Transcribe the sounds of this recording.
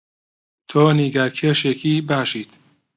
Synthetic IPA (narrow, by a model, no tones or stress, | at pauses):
t̪ʰoːniɡæɾkʰeʃekʰiːbæʃiːt̪